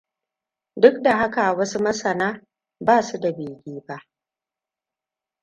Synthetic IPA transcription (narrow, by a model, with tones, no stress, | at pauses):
dʊ˦k̚da˨ɦa˦ka˨wɐ˦su˦mɐ˦sɐ˨naː˦ | baː˦˨su˦da˨beː˨ɡʲiː˦ba˦ʔ